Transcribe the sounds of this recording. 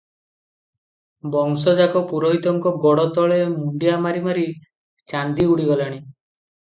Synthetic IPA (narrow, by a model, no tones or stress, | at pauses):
bɔŋsɔd͡ʒakɔpuɾɔɦit̪ɔŋkɔɡɔɽɔt̪ɔɭemuɳɖijamaɾimaɾi | t͡ʃand̪iuɽiɡɔlaɽ̃i